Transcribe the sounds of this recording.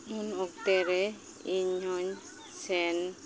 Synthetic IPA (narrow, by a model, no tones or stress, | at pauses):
unɔk̚t̪ɛɾɛ | iɲɔɲ | sɛn